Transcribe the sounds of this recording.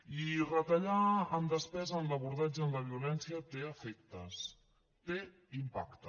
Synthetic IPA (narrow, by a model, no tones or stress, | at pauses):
irət̪əʎaəmd̪əspɛzənləβuɾðad͡ʒəənləβ̞iulɛnsiət̪eəfɛk̚t̪əs | t̪e | impa̰kt̪ə